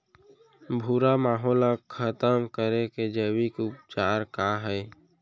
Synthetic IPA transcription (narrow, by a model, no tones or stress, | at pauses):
bʱuɾamaːɦɔːlakʰət̪əmkəɾeked͡ʒəwikʊpt͡ʃaːɾkaɦɛː